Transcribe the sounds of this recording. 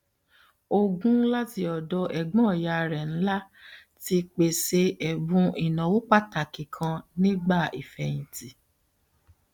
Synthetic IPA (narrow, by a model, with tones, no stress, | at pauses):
o˧ɡũ˦la˦ti˧ɔ˨dɔ˧ʔɛ˨ɡ͡bɔ̃˦˨ja˧˨˧ɾɛ˨n̩˦la˦ | ti˧k͡pe˨se˧ɛ˨bũ˨˦i˨nã˨wu˦k͡pa˦ta˨kĩ˨kʰã˧nĩ˦ɡ͡ba˦˨i˨fɛ˧˨jĩ˨ti˨